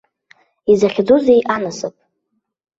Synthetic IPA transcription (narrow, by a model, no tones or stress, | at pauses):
izaχʲd͡zuzejʔanasɨpʼ